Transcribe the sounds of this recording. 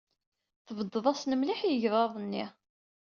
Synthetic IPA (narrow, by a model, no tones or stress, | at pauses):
θəvəd̪ːəðˤɑsnəmliħjəʝðˤɑðˤənːi